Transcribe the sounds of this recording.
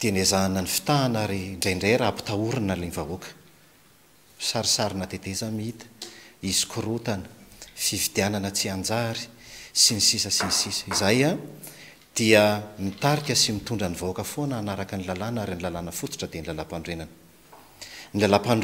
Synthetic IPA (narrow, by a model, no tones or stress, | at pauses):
d̪̥eenezananifi̥t̪aːnaɾiɳɖ͡ʐejɳɖ͡ʐeɾapu̥t̪auɾinalenvaukə̥ | saɾisaɾinat̪ed̪ezamiit̪ə̥izi̥kʰuɾut̪anə̥fivid̪iananət͡siand͡zaɾi̥sinisisəsinisisə̥izaja | d̪̥iəmit̪aɾikʲəsimit̪uɳɖ͡ʐanivoakəfonanaɾakənilalanaɾinilalanəfut̪u̥ʈ͡ʂəd̪enilalapaɳɖ͡ʐenanə̥ | nilalapaɳ